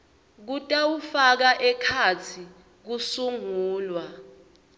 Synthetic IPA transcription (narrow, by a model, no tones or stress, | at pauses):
k̬utʼawufak̬aʔɛkʰat͡sʰi | k̬usuŋuːlwa